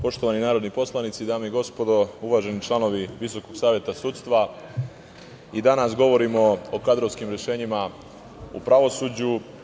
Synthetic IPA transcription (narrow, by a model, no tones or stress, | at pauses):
po̞ʃt̪o̞ʋaninaːɾo̞d̪nipo̞slˠanit̪sid̪aːmeiɡo̞spo̞d̪o̞uʋaːʒe̞nit͡ʃlˠano̞ʋiʋiso̞ko̞ɡ̥saːʋje̞t̪asuːt̪st̪ʋa | id̪anasɡo̞ʋo̞ɾimo̞okad̪ɾoʋskimɾjeʃe̞ːɲima | ṵpɾaʋo̞suːd͡ʑu